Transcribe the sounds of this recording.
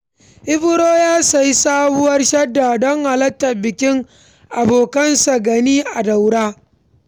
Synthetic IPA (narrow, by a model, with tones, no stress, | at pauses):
ʔɪ˦bʊ˦ɾoː˦jaː˦sa˨ji˦saː˦bʊ˦wɐ˦rʃɐ˦dːa˨dɔ˦ŋha˨lɐ˦tːɐ˨bɪ˨kʲɪ˦ŋ | ʔa˨boː˨kɐ˦nsa˨ɡɐ˨niː˦ʔa˨da˨wɽaː˦